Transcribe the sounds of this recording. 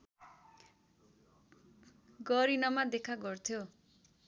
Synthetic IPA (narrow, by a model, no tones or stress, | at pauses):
ɡʌɾinʌmad̪ekʰaɡʌrt̪ʰjo